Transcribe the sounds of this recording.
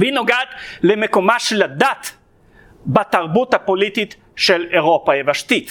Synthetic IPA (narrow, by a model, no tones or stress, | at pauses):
vinoɡad̪lemekomaʃelad̪at̪ | bat̪aʁbut̪hapolit̪it̪ | ʃeleʁopajevaʃt̪it̪